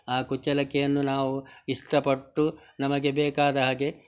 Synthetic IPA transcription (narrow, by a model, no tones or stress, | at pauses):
aːkut͡ʃːɐlɐkɛjɐnːunaːʋuiʂʈɐpɐʈːunɐmɐɡe̞bɛːkaːd̪ɐɦaːɡe̞